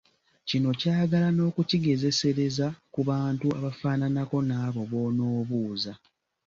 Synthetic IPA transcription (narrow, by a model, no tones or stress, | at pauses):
cino̞caːɡalano̞ːkuciɡe̞ze̞se̞ɾe̞zakuβaːntua̰βafaːnanako̞naːβo̞βo̞ːno̞ːβuːza